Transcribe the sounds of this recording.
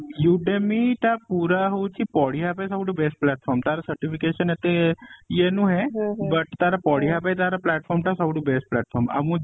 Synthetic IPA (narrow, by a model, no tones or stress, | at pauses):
juʈemiʈapuːɾaɦot͡ʃʰipɔɽiɦapajsəbɖubeːsʈ̚plɛːʈfʰɔːɾmt̪aːɾasəɾʈipʰikeːʃənɦɛt̪ejenũɦɛbɐʈt̪aːɾapɔːɽiɦapajt̪aːɾaplɛːʈ̚fʰɔːɾmʈasəbɽubesʈ̚plɛːʈfʰɔːɾmɐ̰mũ